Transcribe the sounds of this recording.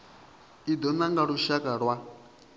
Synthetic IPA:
id̪ɔnaŋɡaɺuʃakʼaɺwa

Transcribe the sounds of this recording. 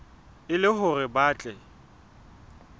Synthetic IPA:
ɪlɪɦʊrɪbaːt͡ɬʼɛ

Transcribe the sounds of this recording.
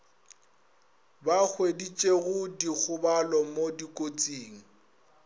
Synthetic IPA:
bak͡xʰwedit͡ʃʼeɣʊdik͡xʰʊbalɔmodikʼot͡sʼiːŋ̩

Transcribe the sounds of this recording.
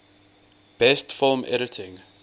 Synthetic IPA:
b̥ɛstfɪlmʔɛ̰ɾɪtʰɪ̃ŋ

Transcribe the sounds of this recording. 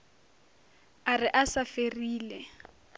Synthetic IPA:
arɪʔasaferiːlɛ

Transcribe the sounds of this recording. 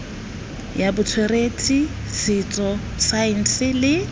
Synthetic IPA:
jabʊt͡sʰweretʼi | sɪt͡sʼɔ | saɪn̩sɪlɪ

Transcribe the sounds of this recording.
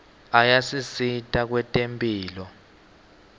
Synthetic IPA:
ajasisitʼak̬wɛtʼempʼiːlɔ

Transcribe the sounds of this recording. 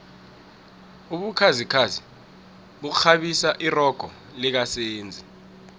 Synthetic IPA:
uɓukʰazikʰazi | ɓuk̬uxaɓisaʔirɔɡ̥ʱɔ̰ | lik̬aseːnd͡zʱi

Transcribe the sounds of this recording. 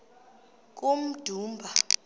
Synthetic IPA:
k̬ʼum̩d̥ʱuːmbʱa

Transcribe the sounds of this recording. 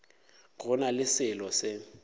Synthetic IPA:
kʊnalɪsɪlɔsɪ

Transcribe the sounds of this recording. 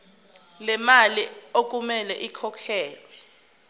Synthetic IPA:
lɛmaliok̬ʼumɛlɛʔikʰɔkʰɛːlwɛ

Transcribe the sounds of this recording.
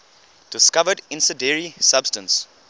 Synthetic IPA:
d̥ɪskavədɪ̃nsədɛɹisab̥stə̃ns

